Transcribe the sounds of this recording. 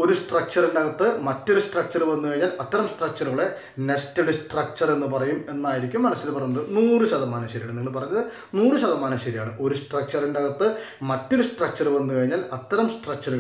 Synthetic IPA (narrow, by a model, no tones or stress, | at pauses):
o̞ɾusʈrɐk̚t͡ɕɐrindeɐɣɐt̪ːɨmɐtːoɾusʈrɐk̚t͡ɕɐruʋɐnːukɐɻiɲːaːlɐt̪ːɐɾɐmsʈrɐk̚t͡ɕɐɾuuɭe̞ | nestɐɖɨsʈrɐk̚t͡ɕɐre̞nːɨpɐrɐjume̞nːaːjiɾikʲːumːɐnɐsːilpɐrɐɲunɐðɨnuːrɨɕɐðɐmaːnɐɕɐɾiɳniŋːɐɭpɐrɐɲːɐðɨ | nuːrɨɕɐðɐmaːnɐɕɐɾijaːɳɨʔo̞ɾusʈrɐk̚t͡ɕɐrendeɐɣɐt̪ːɨ | mɐtːo̞ɾusʈrɐk̚t͡ɕɐruʋɐnːukɐɻiɲːaːlɐt̪ːɐɾɐmsʈrɐk̚t͡ɕɐɾu